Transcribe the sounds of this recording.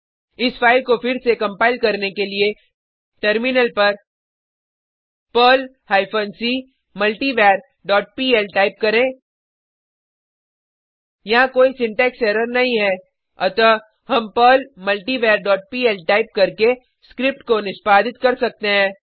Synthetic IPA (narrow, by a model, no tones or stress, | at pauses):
ɪsfaːɪlkofɪɾsekɐ̃mpaːɪlkɐɾnekelie | ʈɐɾmɪnəlpɐɾ | pəːl | haːɪpʰənsiː | mɐlʈiʋeːɾ | ɖɔːʈ̚piːɛlʈaːɪp̚kɐɾẽː | jɐɦãkoːisɪ̃ɳʈɛːksɛːɾəɾnɐɦĩɦɛː | ɐt̪ə | ɦɐ̃mpəːlmɐlʈiʋeːɾɖɔːʈ̚piːɛlʈaːɪp̚kɐɾke | skɾɪp̚ʈkonɪʃpaːd̪ɪt̪kɐɾsɐk̚t̪eɦɛ̃ː